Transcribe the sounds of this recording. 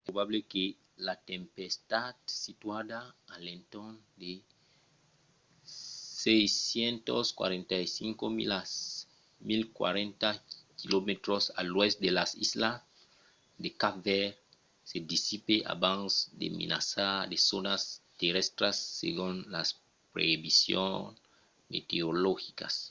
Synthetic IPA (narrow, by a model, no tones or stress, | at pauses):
ɛɾoβaβleke | lat̪ẽmpest̪ad̪sit̪wadaːlẽnt̪ond̪e | sejsjent̪oskwa̰ɾẽnt̪ajsiŋkomḭla | milkwa̰ɾẽnt̪akilomet̪ɾosa̰lwɛsd̪elasisla | d̪ekavɛɾ | sed̪isipeʔa̰bãnsd̪ḛmḛnʔa̰sad̪esonast̪eɾest̪ɾasːḛɣũnlas | pɾeibisjõ̰ŋ | mḛt̪eoloxika̰s